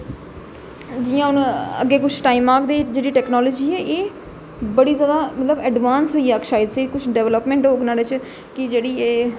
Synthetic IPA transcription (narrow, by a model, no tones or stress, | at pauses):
d͡ʒɪjãːʊnə̰ɡːeːkʊt͡ʃʰʈaːiːmaːkd̪eːd͡ʒeːɽiːʈɛːknɔːləːd͡ʒiːɛːʔeː | bəɽiːzjaːd̪aːmət̪ləbɛːɖʋaːnsɦoːiːaːkʃaːɪd̪sekʊt͡ʃʰɖɛːʋləpmɛ̃ːɳʈɦoːknaːlet͡ʃ | kɪd͡ʒeːɽiːeː